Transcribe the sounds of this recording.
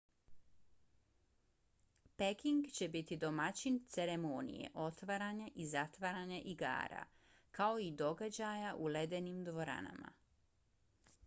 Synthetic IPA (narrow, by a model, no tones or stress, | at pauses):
pekiŋɡt͡ɕe̞bit̪id̪o̞mat͡ɕint̪seɾe̞monḭjḛʔo̞t̪ʋaɾaɲaʔizat̪ʋaɾaɲaʔiɡa̰ːɾa̰ | kao̞id̪o̞ɡad͡ʑajaʔule̞d̪e̞nimd̪ʋo̞ɾa̰na̰ma̰